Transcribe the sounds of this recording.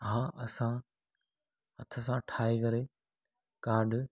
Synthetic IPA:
ɦãːʔɐsãː | ɦət̪ʰəsãːʈʰaːikɐɾeː | kaːɾɖ

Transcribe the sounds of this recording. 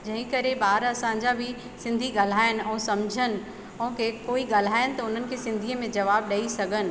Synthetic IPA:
d͡ʑɐ̃ɦɪ̃kɐɾebaːɾɐsãɲ̆d͡ʑabʱi | sɪ̃nd̪ʱiɡɐl̤aːɪnɪ̆ɛ̃ːsɐmd͡ʑʱənɪ̆ | ɔ̃ːkekoːiɡɐl̤aːɪnɪ̆t̪ɐʊn̤ənɪ̆kʰesɪ̃nd̪ʱiəmẽd͡ʑɐʋaːb̚ɗɐisɐɡʱənɪ̆

